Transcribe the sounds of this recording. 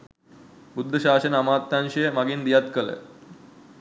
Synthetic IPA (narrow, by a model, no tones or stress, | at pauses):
bud̪ʱːəʃaːsɐnəamaːt̪ːanʃəjəmaɡind̪ijat̪kələ̰